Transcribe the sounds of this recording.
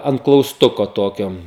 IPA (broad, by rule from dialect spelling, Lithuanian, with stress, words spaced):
ɐnt klˠɐʊsˈtʊkoː ˈtoːkʲoː